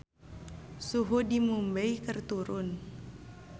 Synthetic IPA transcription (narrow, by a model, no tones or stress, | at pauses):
suɦudimumbaikərt̪uɾʊn